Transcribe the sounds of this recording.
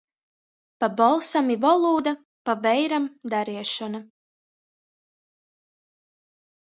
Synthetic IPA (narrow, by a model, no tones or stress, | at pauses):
pabɔlˠsamivɔlˠuːd̪a | pavɛjɾamd̪aɾiɛʃɔna